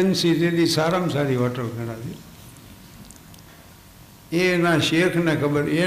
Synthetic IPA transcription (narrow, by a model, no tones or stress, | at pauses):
ənsiɾelisaːɾamsaɾiɦɔːʈəlkəɽad͡ʒi | enaʃeːkʰnekʰəbəɾe